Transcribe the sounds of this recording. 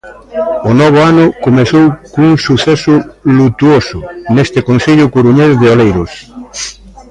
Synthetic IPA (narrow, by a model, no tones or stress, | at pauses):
ʊnɔβ̞ʊanʊkomeθowkouŋsuθɛsʊlut̪uosʊnest̪ɪkonθeʎʊkuɾuɲezðeolejɾʊs